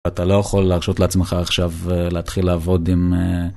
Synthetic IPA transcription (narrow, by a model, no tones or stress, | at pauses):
at̪alo̞jaχo̞lːeaʁʃo̞tleat͡smeχaːχʃaveleat̪χilːaːvo̞dime